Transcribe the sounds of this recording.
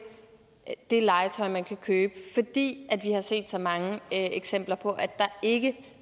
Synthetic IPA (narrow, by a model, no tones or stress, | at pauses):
d̥e̝lɑ̈ɪət͡sʰɒ̽ɪmænkʰækʰøːb̥əfɒ̽d̥ḭːʔæd̥ʋihɑ̈se̝̰ːd̥sɒ̽mɑ̈ŋəeɡ̥sem̰b̥lɐpʰɒ̽ʔæd̥ɑ̈e̝ɡ̥ə